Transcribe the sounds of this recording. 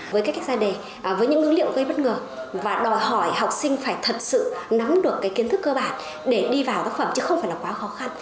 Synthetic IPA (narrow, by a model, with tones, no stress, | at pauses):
vəː˨˦jkaː˦˥kk̚zaː˧ɗe˨˩ | vəː˨˦jɲɨ̰˧˥ŋːʔɨ̰˨˧˦lḭ˧˨əwɣə˧jɓə˦˥t̚ŋəː˨˩ | vaː˨˩ɗɔ˨˩jhɔ˧˩jha˨˩wk͡p̚sï˧ŋ̟faː˧˩jt̪ʰə˨˩t̚sɨ̰˧˨na˨˦mɗɨ˨˩əkːaː˨˦jki˨˦ənt̪ʰkːəː˧ɓaː˧˩n | ɗe˧˩ɗi˧vaː˨˩wt̪aː˦˥k̚fə˧˩mt͡ɕɨ˨˦xə˧wŋ͡mfaː˧˩jlaː˨˩kwaː˨˦xɔ˨˦xa˧n